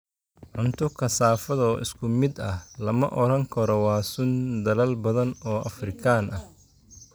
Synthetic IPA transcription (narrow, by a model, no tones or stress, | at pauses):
ʕʊnt̪ʰʊkʰɐsaːfɐðɔʔɪ̰skʰʊmɪd̪ɐhlɐmɐʔɔɾɐŋkʰɐɾɔwaːsʊnd̪ɐlɐlbɐðɐnɔːʔɐfrɪkʰaːnʔɐh